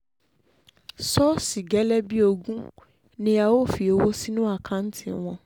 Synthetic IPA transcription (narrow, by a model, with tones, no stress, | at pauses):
sɔ˦si˨ɡɛ˨˦lɛ˦bi˦o˧ɡũ˦ | nĩ˦a˧wo˦˨fi˨o˧wo˦si˦nũ˦a˦˨kʰã˧n̩˦tʰi˦˨w̃ɔ̃˧